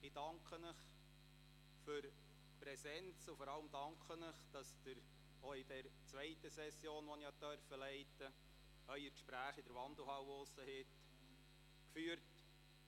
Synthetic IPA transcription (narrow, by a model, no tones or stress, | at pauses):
ɪd̥ɑŋkχənəχ | fyɾ | pɾɛsɛnt͡sʊfɔɾɑləmd̥ɑŋkʰχənəχd̥ɑsd̪̥əɾ | ɔɪd̥ɛɾt͡sʋɛɪtəsɛsjoːnʋɔnihɑtːœɾfəlɛɪtə | œʏəɾkʃpɾæːχɪd̥əɾʋɑnd̪əl̩ˠɦɑwosəhɪt̪ | kfyːəɾt